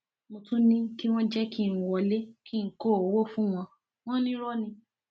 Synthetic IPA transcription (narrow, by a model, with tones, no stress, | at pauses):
mo˧tũ˦nĩ˦ki˦w̃ɔ̃˦d͡ʒɛ˦ki˦˨n̩˨wɔ˧˨le˦ki˦˨ŋ̩˨˦ko˦˨o˨wo˦fũ˦w̃ɔ̃˧ | w̃ɔ̃˦nĩ˦ɾɔ˦nĩ˧